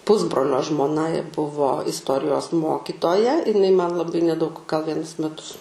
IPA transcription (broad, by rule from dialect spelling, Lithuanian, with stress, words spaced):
ˈpʊzbroːlʲoː ʒmoːˈnɐ bʊʋoː ɪstˈoːrʲɪjoːs ˈmoːkʲɪtoːjɛ ɪˈnɐɪ mɐn lˠɐˈbɐɪ nʲɛˈdɐʊk ɡɐlˠ ˈʋʲiɛnʊs mʲɛˈtʊs